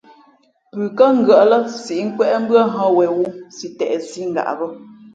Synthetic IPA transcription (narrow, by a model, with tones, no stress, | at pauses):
pʉ˨kə˦ŋ̩˦˨ɡə˨ʔlə˦si˨ʔŋ̩˦kwɛ˦ʔm̩˦bɰə˦ɦɔ̃˦wɛ˨wu˦si˨tɛ̰˨ʔsi˦ŋ̩˨ɡa̰˨ʔbə˦